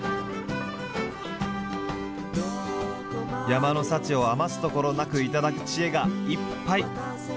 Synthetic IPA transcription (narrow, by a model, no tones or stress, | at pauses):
jamano̞sat͡ɕio̞amasɨ̥t̪o̞ko̞ɾo̞nakɯ̟it̪ad̪akɯ̟̥t͡ɕie̞ɡaipːai